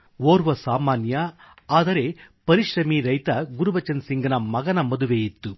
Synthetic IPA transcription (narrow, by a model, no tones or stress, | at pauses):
ʋoːɾʋɐsaːmaːnjɐ | aːd̪ɐɾepɐɾiʃɾɐmiɾɐjt̪ɐɡuɾubɐt͡ʃɐnsiŋɡɐnɐmɐɡɐnɐmɐd̪uʋeːjit̪ːu